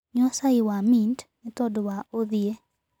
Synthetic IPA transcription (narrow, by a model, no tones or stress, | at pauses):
ɲɔsaɪwamintnit̪ɔdwaod̪je